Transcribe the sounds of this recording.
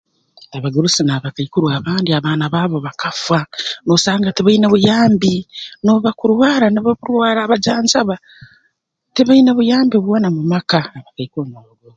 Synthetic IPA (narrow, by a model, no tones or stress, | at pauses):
aβaɡuɾusinaβakaikuɾwaːβaːndiaβaːnaβaːβo̞βakʰafwano̞saːŋɡatiβaineβujaːmbino̞βakuɾwaːɾanoβaβuɾwaːɾaːβad͡ʒaːɲd͡ʒaβa | tiβaine̞βujaːmbioβwo̞ːnamumakaːβakaikomoɡo